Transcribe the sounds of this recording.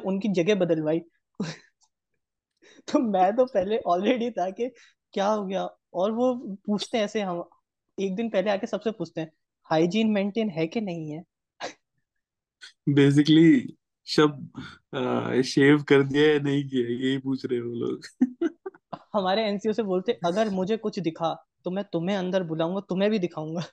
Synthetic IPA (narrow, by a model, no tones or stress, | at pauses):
ʊnkid͡ʒɐɡebɐd̪əlʋaːi | o | t̪omɛ̃ːt̪̬opɛɦleʔɔːlɾeːɖit̪ʰake | kjaːɦoːɡɐja | ɔːɾʋopuːt͡ʃʰt̪eɛ̃ɛːseɦɛ̃ɦɐm | eːk̚d̪ɪnpɛɦleaːkesɐbsepuːt͡ʃʰt̪ẽɦɛ̃ː | haːɪd͡ʒiːnmẽːɳʈeːnɦɛkenɐɦĩɦɛː | beːs̬ɪkəli | ʃɐb̚ | ʃeːʋkɐɾd̪iaɛnɐɦĩk̬iajeɦipuːt͡ʃʰɾɐɛ̃ʋoːlo̰ːɡ | hɐmaːɾeɛːnsioseboːlt̪eɛʔɐɡəɾmʊd͡ʒʱekʊt͡ʃʰd̪ɪkʰat̪omɛ̃ːt̪ʊmɦẽɐ̃nd̪əɾbʊlaːũŋɡat̪omɛ̃bʱid̪ɪkʰaːũːŋɡaː